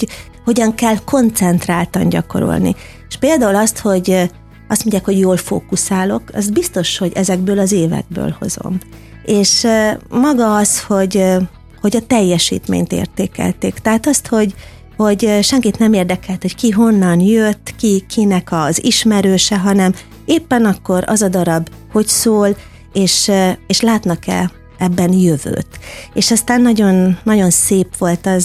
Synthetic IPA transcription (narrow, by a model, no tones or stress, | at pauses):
ho̞ɟɒŋkɛlko̞nt̪sɛnt̪raːlt̪ɒɲɟɒko̞̰ɾo̰lnḭ | eʃpeːld̪aːulɒst̪ho̞ɟ | ɒst̪mo̞ɲɟːaːkho̞ɟjoːlfo̰ːkusaːlo̞kɛ̰zbist̪o̞ʃho̞ɟɛzɛɡbøːlɒzeːvɛ̰ɡ̚bø̰ːlho̞̰zo̞̰m | eːʃmɒɡɒɒsho̞ɟ | ho̞ɟɒt̪ɛjːɛʃḭːt̪mḛːɲt̪ḛːrt̪eːkɛ̰lt̪eːkt̪ɛɦaːt̪ɒst̪ho̞ɟ | ho̞ɟʃɛŋkit̪nɛmeːrd̪ɛkɛlt̪ho̞ckiɦo̞nːɒnjøt̪ːkikʰinɛkɒziʃmɛɾøːʃɛɦɒnɛm | eːpːɛnɒkːo̞ɾɒ̰zɒd̪ɒɾɒb | ho̞csoːl | eːʃeːʃlaːt̪nɒkɛ̰ | ɛbːɛnjøvø̰ːt̪eːʃɒst̪aːnːɒɟo̞nːɒɟo̞nseːpʋo̞lt̪ɒz